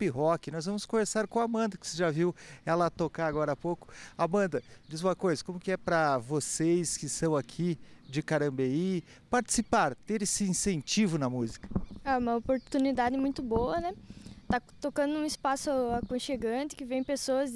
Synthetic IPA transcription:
piɦɔkɪnɔzvɐ̃mʊskõveɾsaɾkõw̃amɐ̃nd̪ɐkɪ̥seʒaviwɛlɐat̪okaaɡɔɾɐapowkʊ̥abɐ̃nd̪ɐd͡ʒizũmɐkojzɐkõmʊkɪɛpɾɐvosejskɪst̪ɐ̃w̃akʰid͡ʒɪkaɾɐ̃bei | paɾt͡ʃi̥sipaɾt̪eɾesɪĩsẽnt͡ʃivʊnɐmuzikɐ̥aũmɐopoɾt̪unid̪ad̪ɪmũj̃t̪ʊboɐnɛt̪at̪okɐ̃nd̪ʊũɪspasʊakõʃeɡɐ̃t̪ɪ̥kɪvẽj̃pesoɐz

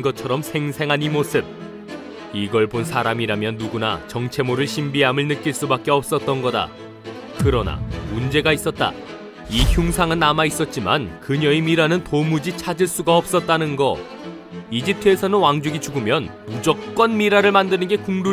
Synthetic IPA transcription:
ɡʌt͡ɕʰʌɾʌmsʰe̞ŋsʰe̞ŋɦanimosʰɯb̚ | iɡʌɭbonsʰaɾamiɾamjʌnːuɡuna̰t͡ɕʌŋt͡ɕʰe̞moɾɯɭɕʰimbiɦamɯɭnɯk̚k͈iɭs͈ubak͈̚e̞ʌp̚s͈ʌt̚t͈ʌnɡʌda̰ | kɯɾʌna̰mund͡ʑe̞ɡais͈ʌt̚t͈a̰ | içjuŋsʰaŋɯnːamais͈ʌt̚t͡ɕ͈ima̰nkɯɲʌimiɾanɯntomud͡ʑit͡ɕʰad͡ʑiɭs͈uɡaʌp̚s͈ʌt̚t͈anɯnɡʌ | id͡ʑip̚tʰɯesʰʌnɯnwaŋd͡ʑuɡit͡ɕuɡumjʌnmud͡ʑʌk̚k͈wʌnmiɾaɾɯɭmandɯnɯnɡe̞kuŋdu

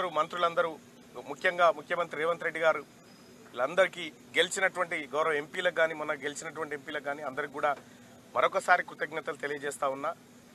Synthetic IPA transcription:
ɐɾumɐnt̪ɾulɐnd̪ɐɾu | mukʰjɐŋɡaːmukʰjɐmɐnt̪ɾiɾɛːʋɐnt̪ɾe̞ɖːiɡaːɾu | ilɐnd̪ɐɾikiː | ɡe̞lit͡ʃinɐʈuʋɐɳʈiɡɐwɾɐʋɐe̞mpiːlɐɡaːniːmunːɐɡe̞lit͡ʃinɐʈ̬uʋɐɳʈiempiːlɐɡaːniːɐnd̪ɐɾikːuːɽaː | mɐɾɔkɐsaːɾikɾut̪ɐɡnɐt̪ɐlut̪e̞lijɐd͡ʒɛːst̪aːunːaː

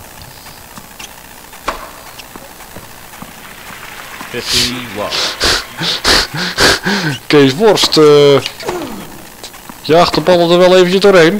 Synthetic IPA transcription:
kesʋɔrst | jəaxtəbɑlˠədərʋɛlˠeːvəncəzdoːrɦejn

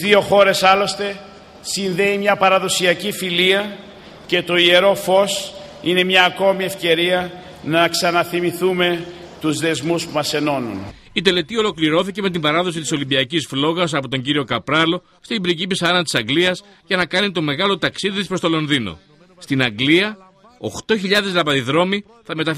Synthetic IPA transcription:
io̞xo̞ɾe̞sɐlo̞st̪e̞ | sinðe̞imɲɐpɐɾɐðo̞siɐcifiliɐ | ce̞t̪o̞ie̞ɾo̞fo̞s | ine̞mɲɐːko̞mie̞fce̞ɾiɐ | nɐksɐnɐθimiθume̞t̪uzðe̞zmuspumɐse̞no̞nṵn | it̪e̞le̞t̪io̞lo̞kliɾo̞θice̞me̞t̪̬imbɐɾɐðo̞sit̪iso̞limbiɐcisflo̞ɣɐs̬ɐpo̞t̪o̞ɲɟiɾio̞kɐpɾɐlo̞ | st̪ibɾicipisɐɾɐnt̪i̥sɐŋɡliɐs | ʝɐnɐkɐnit̪o̞me̞ɣɐlo̞t̪ɐksiðispɾo̞st̪o̞lo̞nðino̞̰ | st̪inɐŋɡliɐ | oxt̪o̞çiʎɐðe̞zlɐpɐðiðɾo̞mi | θɐme̞t̪ɐ

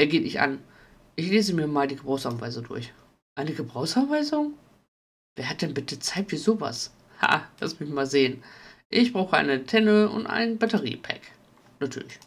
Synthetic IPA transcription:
ʔɛːɐɡeːtɪçʔa̰n | ʔɪçleːzəmiːɐmaːldiːɡəbʁaʊsanva̰ɪzʊŋdʊ̰ɐç | ʔaɪnəɡəbʁaʊsanvaɪzʊŋ | v̥eːɐɦat̚d̥ɛnbɪtət͡saɪtfyːɐzoːva̰s | ha̰la̰smɪçmaːlzeːənʔɪçb̥ʁaʊxəʔa̰ɪnətʰɛnəʊ̰ntʔa̰ɪnnbatəʁḭːpʰɛ̰k | natʰyːɐlɪç

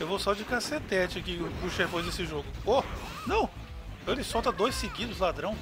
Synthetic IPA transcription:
ewvosɔd͡ʒɪkaset̪ɛt͡ʃkɪpuʃepõzd̪esɪʒoɡʊo | nɐ̃w̃ | elɪsɔwt̪ɐd̪ojsɪɡid̪ʊzlad̪ɾɐ̃w̃

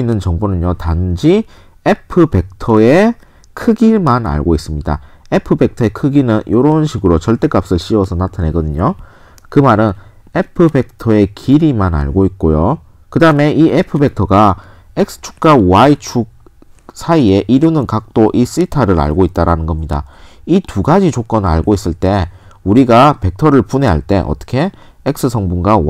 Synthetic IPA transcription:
inːɯnt͡ɕʌŋbonɯnjotand͡ʑi | epʰɯpe̞k̚tʰʌe̞ | kʰɯɡiɭmana̰ɭɡois͈ɯmɲida̰ | e̞pʰɯbe̞k̚tʰʌe̞kʰɯɡinɯnjoɾʌunɕʰiɡɯɾot͡ɕʌɭt͈e̞k͈ap̚s͈ɯɭɕ͈iwʌsʰʌnatʰane̞ɡʌdɯɲo | kɯmaɾɯn | epʰɯbe̞k̚tʰʌe̞kʰiɾimana̰ɭɡoit̚k͈ojo | kɯdaɯme̞ʔiepʰɯbe̞k̚tʰʌɡa | ek̚sʰɯ̥t͡ɕʰu̥k̚k͈await͡ɕʰuk̚ | sʰaie̞ʔiɾunɯnkak̚t͈oʔis͈ɯitʰaɾɯɾa̰ɭɡoit̚t͈aɾanɯnɡʌmɲida̰ituɡad͡ʑit͡ɕok͈̚ʌnaɭɡois͈ɯɭt͈e̞uɾiɡape̞k̚tʰʌɾɯɭpune̞ɦaɭt͈e̞̰ʔʌ̰t͈ʌ̥kʰe̞ | ek̚s͈ʰɯsʰʌŋbuŋɡa

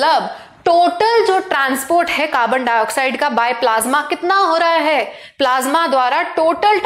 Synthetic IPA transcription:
ləb | ʈoːʈəld͡ʒoːʈɾãːnspoːɾʈɦɛkaːbəɳɖaːjɔːksaːɪɖkabaːjplaːzmakɪt̪naɦoːɾaɦaɦɛː | plaːzmad̪waːɾaʈoːʈəlʈ

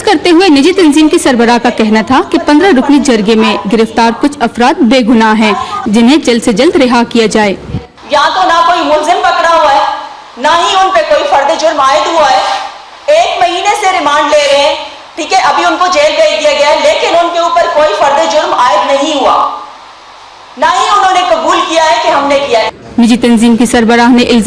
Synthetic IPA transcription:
skɐɾt̪eɦʊenɪd͡ʒit̪ɐnziːmkisɐɾbəɾakakɛɦnat̪ʰakepɐ̃nd̪ɾaɾʊplid͡ʒɐɾɡemẽɡɪɾɪft̪aːɾkʊt͡ʃʰɐfɾaːt̪̚beːɡʊnaɦɛ̃ːd͡ʒɪnɦẽd͡ʒɐld̪sed͡ʒɐld̪ɾɪɦakijad͡ʒaːeː | jɐɦãt̪onakoːimʊlzɪmpɐkɽaɦuaɦɛː | naɦiʊnpekoːifɐɾd̪ed͡ʒʊɾmaːɪd̪ɦuaɦɛː | eːkmɐɦiːneseɾɪmaːɳɖleːɾɐɦeɛ̃ː | ʈʰiːkɛʔɐbʱiʊnkod͡ʒeːlɡɐid̪ijaɡɐjaɛleːkɪnʊnkeuːpəɾkoːifɐɾd̪ed͡ʒʊɾmaːɪd̪nɐɦĩɦua̰ː | naɦiʊnɦõːnekɐbuːlkijaɦɛkeɦɐmnekijaɛ | mɪd͡ʒit̪ɐnziːmkisɐɾbəɾaːɦneʔɪlz

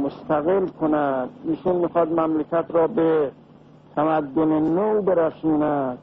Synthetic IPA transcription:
most̪æɣelkʰonæd̪iːʃunmiːxɒːd̪mæmlekʲʰæt̪ɾɒːbe | t̪ʰæmæd̪ːonenowbeɾæsuːnæd̪̥̚

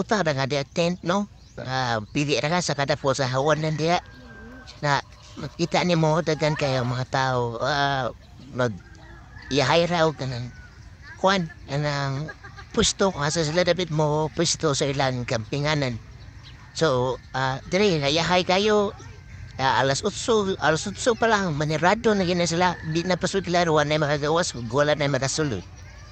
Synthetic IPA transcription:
ut̪adaɡadiaʔt̪ent̪̚no | apiβiʔɾaɡasakadaposaɦauanandiaʔ | na | kit̪aʔnimodaɡankajomaat̪aua | no | jaɦajɾawt̪anaŋ | kuankanaŋpustokasas̬iladabitmopustosoilaŋkampiŋanan | soadiɾelajaɦajkajo | aa̰lasutsualasutsupalaŋmaneɾadonaɡines̬labinapasutilaɾuanajmaɾaɡewasɡualanajmaɾasulṵt

